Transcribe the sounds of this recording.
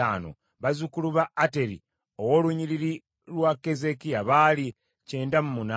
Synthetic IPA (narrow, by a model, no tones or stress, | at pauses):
a̰ːno̰ | βazukuluβaːte̞ɾḭ | o̞wo̞luɲiɾiɾi | lwakːe̞ze̞kiaβaːli | ce̞ːndamumuna